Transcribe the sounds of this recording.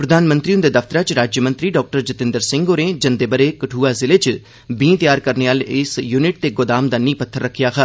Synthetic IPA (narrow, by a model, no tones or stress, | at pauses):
pɾəd̪ʱaːnmə̃nt̪ɾiʊnd̪eːd̪əft̪əɾãːt͡ʃɾaːd͡ʒjəmə̃nt̪ɾiːɖɔːk̚ʈəɾd͡ʒət̪ɪ̃nd̪əɾsɪ̃ŋɡoːɾẽːd͡ʒənd̪eːbəɾeːkəʈʰuːaːzɪleːt͡ʃ | bĩːt̪jaːɾkəɾneːaːlɪsjuːnɪʈ̚t̪eːɡod̪aːmd̪aːnĩːpət̪ʰːəɾːəkʰːijaːkʰaː